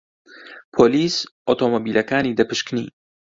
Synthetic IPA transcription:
pʰoːliːsʔoːt̪ʰomobiːlɐkaːniːd̪ɐpɨʃknḭː

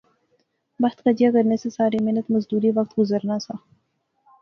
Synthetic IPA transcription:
bɐht̪kəd͡ʒijakɐɾnesesaːɾemeɦnət̪mɐzd̪uːɾiʋɐk̚t̪ɡʊzəɾnasʰa

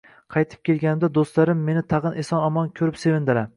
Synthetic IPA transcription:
qʰɑjt̪ʰɪ̥p̚kʲe̞lɡʲanɪmd̪ad̪ost̪laɾɪmːe̞nɪt̪ʰɑʁɨnʔesɒnɒmɒnkʲʰɵɾɪpse̞vɪnd̪ɪɾa

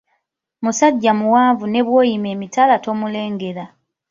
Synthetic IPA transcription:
musaɟːamuwaːɱvune̞βwo̞ːjime̞ːmitalato̞mule̞ːŋɡe̞ɾa

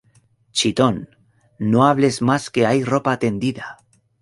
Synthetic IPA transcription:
t͡ʃit̪onː | oaβ̞le̞zmaske̞ajro̞paːt̪e̞nd̪iða

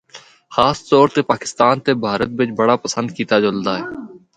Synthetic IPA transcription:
xaːst̪ɔːɾt̪eːpaːkɪ̥st̪aːnt̪eːbʱaːɾət̪̚bɪt͡ʃbəɽaːpəsə̃nd̪̚kiːt̪aːd͡ʒold̪aːɦɛː

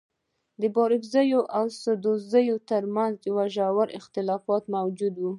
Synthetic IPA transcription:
d̪əbɑɾɪfzəjoʔawsəd̪ozəjot̪aɾmanzwaʒawaɾɪ̰xt̪ɪlɑfɑt̪mawd͡ʒud̪wu

